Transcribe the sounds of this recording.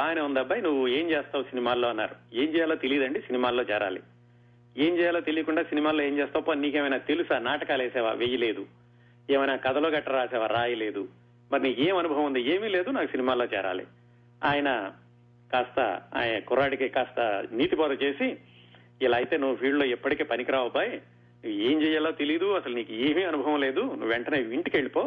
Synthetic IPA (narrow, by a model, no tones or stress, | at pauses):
aːjɐnɐund̪ɐbːaːjnuʋːue̞ːmt͡ʃeːst̪aːʋusinimaːlːoːɐnːa̰ːɾue̞ːmt͡ʃɛːjaːloːt̪eliid̪ɐɳɖisinimaːlːo̞ːt͡ʃɛːɾa̰ːlḭ | e̞ːmt͡ʃɛːjaːloːt̪elijɐkuɳɖaːsinimaːlːo̞ːeːmt͡ʃɛːst̪apːanniːkeːmɐjnaːt̪elusaːnaːʈɐkaːlɛːsɛːʋa̰ːʋeːjɐle̞ːd̪u | eːmɐjnaːkɐd̪ɐlo̞ːɡɐʈːɐɾaːsɛːʋaːɾaːjɐle̞ːd̪u | mɐɾiniːkeːmɐnubʱɐʋɐɐnd̪ieːmiːle̞ːd̪unaːkusinimaːloːt͡ʃɛ̰ːɾa̰ːlḭ | aːjɐnɐ | kaːst̪ɐ̰a̰ːjɐnɐkɔɾaːɽikekaːst̪ɐ̰niːt̪ipɔːd̪ɐt͡ʃe̞ːsi | ilaːjit̪e̞ːnuʋːupʰiːɖloːɛpːɐʈike̞ːpɐnikiɾaːubaːji | nueːmt͡ʃɛːjaːloːt̪elijd̪uɐsɐluniːkueːmiːɐnubʱɐʋɐmleːd̪unuʋːʋeɳʈɐneːʋiɳʈikeɭipo̞ː